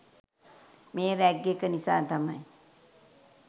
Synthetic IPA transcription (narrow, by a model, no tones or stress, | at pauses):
meːɾæɡːekənisa̰ːt̪amaj